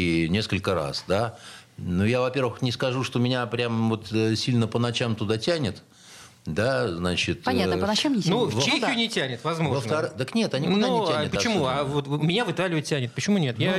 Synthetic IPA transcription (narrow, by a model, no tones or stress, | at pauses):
ɪnʲe̞skəlʲkəɾa̰sd̪a | nujavɐpʲe̞rvəxnʲɪskɐʐuʂt̪omʲɪnʲapɾʲamvo̞t̪sʲilʲnəpənɐt͡ɕamt̪ʊd̪atʲænʲɪt̪ | d̪aznat͡ɕɪt̪pnʲat̪ənɐamnuft͡ɕexʲɪjʊnʲɪtʲænʲɪt̪vɐzmovəft̪ɐɾɨd̪əknʲe̞t̪ɐnʲiknaunʲɪænɪəpət͡ɕɪmmuavot̪mʲɪnʲavɨt̪alʲɪʊtʲːænʲɪt̪̚pət͡ɕɪmunʲe̞t̪ja